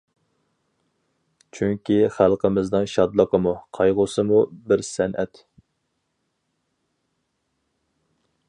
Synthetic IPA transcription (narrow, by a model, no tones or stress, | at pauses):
t͡ʃʰyŋkʲiχælˠqʰəmɪznɨŋʃɑd̪lˠəqəmuqʰɑjʁʊsɨmubɪɾsɛnʔɛt̪